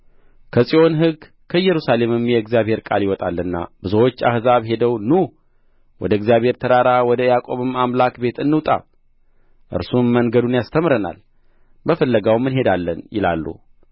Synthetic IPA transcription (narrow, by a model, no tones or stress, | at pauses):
kʰəsʼio̞nɦɨɡ | kʰəjɛɾusale̞mɨmjɛɨɡzijaβhe̞ɾkʼaljɪwɔt̪ʼalːɨnːa̰b̥ɨzowot͡ʃːa̰hzaβɦe̞d̪əwnu | wɔd̪əɡzijaβhe̞ɾt̪ʰəɾaɾawɔd̪əjakʼo̞βɨmamlakbe̞t̪ɨnːɨwt̪ʼa̰ | ʔɨ̰ɾsumːəŋɡəd̪unjast̪ʰəmɾəna̰l | bəfəlːəɡawmːɨnɦe̞d̪alːənjɪ̰la̰lːṵ